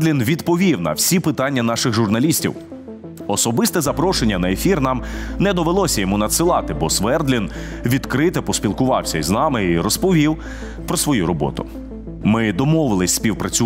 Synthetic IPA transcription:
d̪lʲinʋʲid̪pɔʋʲiwnɐ̰wsʲipɪt̪ɑnʲːɐnɑʃɪxʒʊrnɐlʲisʲtʲḭw | ɔsɔbɪst̪ɛzɐpɾɔʃenʲːɐnɐefʲirnɑmnɛd̪ɔʋelˠɔsʲɐjɔmunɐt̪sɪlˠɑt̪ɪbɔsʋɛrd̪lʲinʋʲid̪kɾɪt̪ɛpɔsʲpʲilˠkʊʋɑwsʲɐiznɑmɪiɾɔspɔʋʲiw | pɾɔsʋɔjuɾɔbɔ̰t̪ʊ̰ | mɪd̪ɔmɔʋɪlˠɪsʲsʲpʲiwpɾɐt͡sʲʊ

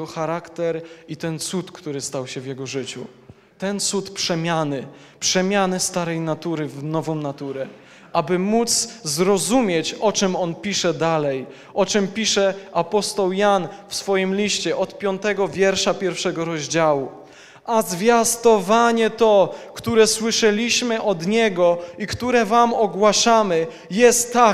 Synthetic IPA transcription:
ɔxaɾakt̪ɛɾit̪ɛnt̪sut̪kt̪uɾɘst̪awɕɛvʲjɛɡɔʐɘt͡ɕṵ | t̪ɛnt̪sut̪pʂɛmʲjanɘ | pʂɛmʲjanɘst̪aɾɛjnat̪uɾɘvnɔvɔ̃w̃nat̪uɾɛ | ʔabɘmut̪szɾɔzumʲjet͡ɕɔt͡ʂɛmɔnpʲiʂɛd̪alɛj | ʔɔt͡ʂɛmpʲiʂɛapɔst̪ɔwjanfsfɔjimlʲiɕt͡ɕɛʔɔt̪pʲjɔnt̪ɛɡɔvʲjɛɾʂapʲjɛɾfʂɛɡɔɾɔʑd͡ʑawu | azvʲjast̪ɔvaɲɛt̪ɔkt̪uɾɛswɘʂɛlʲiɕmɘʔɔd̪ɲɛɡɔikt̪uɾɛvamɔɡwaʂamɘ | jɛst̪ːa

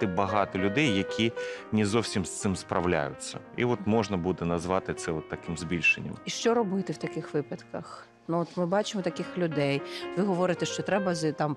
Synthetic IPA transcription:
ɪbɐɦɑt̪ɔlʲʊd̪ɛjːɐkʲʰinʲɪzɔwsʲimst̪sɪmspɾʔɐ̰ʋlʲa̰jʊ̰t͡sʲːɐ̰ | ḭɔt̪mɔʒnɐbud̪ɛnɐzʋɑt̪ɪt̪sɛɔt̪ːɐkɪmzʲbʲilʲʃenʲːɐ̰miʃt͡ʃɔɾɔbɪt̪ɪwt̪ɐkɪxʋɪpɐt̪kɐx | nuɔt̪mɪbɑt͡ʃɪmɔt̪ɐkɪxlʲʊd̪ɛjʋɪɦɔʋɔɾɪt̪ɛʃt͡ʃɔt̪ɾɛbɐzt̪ɑm

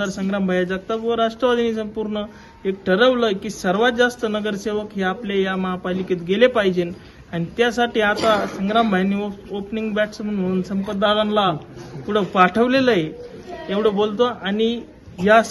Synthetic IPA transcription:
aɾsəŋɡɾambʱajad͡zaɡ̚t̪aʋəɾaʂʈɾəʋad̪ʱinis̬əmpuɾɳə | ek̚ʈʰəɾəʋləkiːsəɾʋat̪̚d͡zast̪ənəɡəɾseʋəkɦeaplejaməɦapaliket̪ɡelepaɦid͡ʑen | añit̪jasaʈiːat̪asəŋɡɾambʱajnioopniŋɡbæʈsm̤ənm̤əɽunsəmpət̪ːalanlapuɽ̤əpaʈʰəʋleləje | eʋɽəbolt̪oani | ja

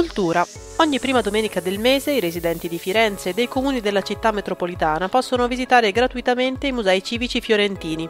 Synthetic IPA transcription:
ult̪uːɾa | ɔɲːipːɾiːmad̪omeːnikad̪elmeːzeiɾezid̪ɛnt̪id̪ifiɾɛnt̪seːd̪ːejkomuːnid̪elːat͡ʃit̪ːamːet̪ɾopolit̪aːnapɔsːonovizit̪aːɾeɡɾat̪uit̪ament̪eimuzɛit͡ʃiːvit͡ʃifjoɾent̪iːni

